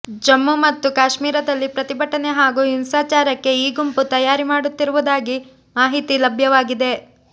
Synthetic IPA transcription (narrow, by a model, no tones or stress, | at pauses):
d͡ʒɐmːumɐt̪ːukaːʃmiːɾɐd̪ɐlːipɾɐt̪ibɐʈːɐne̞ɦaːɡuːinsaːt͡ʃaːɾɐkːe̞iːɡumput̪ɐjaːɾimaːɽut̪ːiɾuʋud̪aːɡi | maːɦit̪ilɐbʱjɐʋaːɡid̪e̞